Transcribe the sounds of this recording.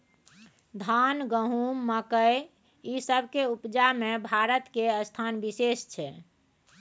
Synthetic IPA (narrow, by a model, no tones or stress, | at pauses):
d̪ʱanɡəɦumːəkəj | isəbʱkeupd͡ʒamebʱaɾət̪keəst̪ʰanbisest͡ʃʰɛ